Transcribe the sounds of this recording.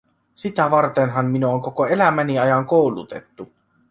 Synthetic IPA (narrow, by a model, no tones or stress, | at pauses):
sit̪æʋɑrt̪enɦɑmːinuoŋko̞koe̞læmæniɑjɑŋkowlṵt̪e̞t̪ːu